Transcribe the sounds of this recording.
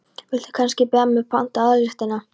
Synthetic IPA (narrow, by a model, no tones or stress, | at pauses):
vɪl̥t̪ɪ̥kʰanscɪpɛmːɛpʰan̥t̪aaðɾɪht̪ɪnːa